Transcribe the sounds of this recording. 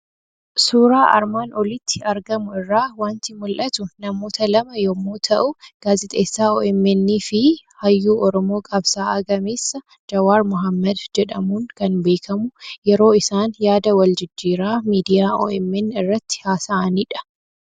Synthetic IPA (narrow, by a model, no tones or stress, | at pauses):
suːɾaːʔɐ̰ɾmaːnʔɔlɪt̪ʰːɪɐɾɡɐmʊɪrːaːwaːnt̪ɪmʊlʔɐt̪ʊnɐmo̞ːt̪ɐlɐmɐjɔmːoːt̪ʰɐʔʊɡ̥aːzɪt̪ʼeːsːaːoːɛmːɛnːiːfɪhɐjːuːʔɔɾɔmo̞ːkʼɐbsaːɐɡɐmeːsːɐ | d͡ʒɐwaːɾmʊɦɐmːɐd̪d͡ʒɛᶑɐmuːŋkɐnbe̞ːkʰɐmʊjɛɾo̞ːɪsaːnjaːd̪ɐwɐld͡ʒɪd͡ʒːiːɾaːmiːd̪ɪjaːo̰ːʔɛmːɛnːɪrːɐt̪ːɪ̥haːsɐɐniːᶑɐ̥